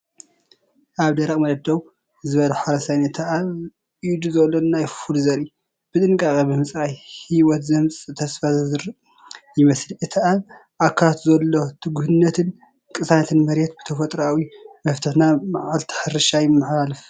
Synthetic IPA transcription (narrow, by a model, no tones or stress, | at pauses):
ʔaβd̪ɐɾɐkʼmɐd̪ɐd̪ɐw | zɨβɐlɐħaɾɐsajnɐt̪ʰɐʔa | d̪uzɐlːonajfulzɐɾi | b̥ɨt̪ʼɨŋkʼakʼɐbɨmɨsʼajhiwɔt̪zɐmt͡sʼɨt̪ʰɐsfazzɨɾ | jɪmɐslɨt̪ʰaʔanʔakʰːaat̪zɐlːo̞t̪ʰɨɡuhɨnːɐt̪ʰɨn | kʼɨsanɐt̪ʰɨnmɐɾjɛt̪̚bɨt̪ʰɐfɐt̪ʼɾawimɐft̪ʰɨħnamaʕalt̪ʰɨ̥ħɨɾɨʃajɪmːɨħalalɨf